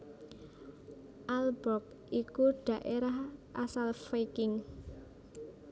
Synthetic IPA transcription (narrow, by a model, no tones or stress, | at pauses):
ʔalbɾɔk̚ | ʔikuɖ̥ä̤ʔeɾaɦʔasalfekɪŋ